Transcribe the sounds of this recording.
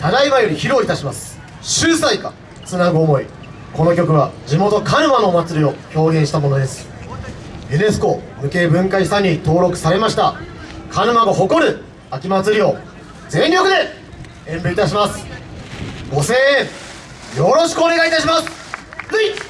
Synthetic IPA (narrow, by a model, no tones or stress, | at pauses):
t̪aɡaiβajoɾʲiçiɾo̞ːit̪aɕimasɨ̥ | ɕɨːsaika̰ | t͡sɨnaɡɯ̟omo̞i | ko̞no̞kʲo̞k̬ɯ̟βad͡ʑimo̞t̪o̞kanɯ̟mano̞mat͡sɨɾʲio̞ço̞ːɡẽ̞ɰ̃ɕi̥t̪amo̞no̞d̪e̞sɨ̥ | ene̞sɨ̥ko̞ | mɯ̟ke̞ːbɯ̟̃ŋkaisãɲ̟ːit̪o̞ːɾo̞kɯ̟̥saɾe̞maɕi̥t̪akʰanɯ̟maɡoɦo̞ko̞ɾɯ̟ | akʲimat͡sɨɾʲio̞ | d͡zẽ̞ŋɾʲo̞kɯ̟d̪e̞ | ẽ̞mbɯit̪aɕ̬imasɨ̥ | ɡ̥o̞seː | jo̞ɾo̞ɕi̥kɯone̞ɡait̪aɕimasɨ̥